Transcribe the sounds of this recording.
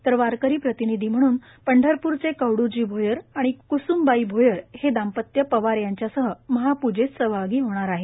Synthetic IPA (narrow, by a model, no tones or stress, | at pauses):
t̪əɾʋaɾkəɾiːpɾət̪inid̪ʱiːm̤əɽ̃uːn | pəɳɖʱəɾpuːɾt͡sekəʋɽud͡ʑiːbʱojəɾaɽ̃ikusuːmbaibʱojəɾhed̪ampət̪jəpəʋaɾjaɲt͡ɕjasəɦəməɦapud͡ʑet͡ssəʋaɡiːɦoɽ̃aɾaɦe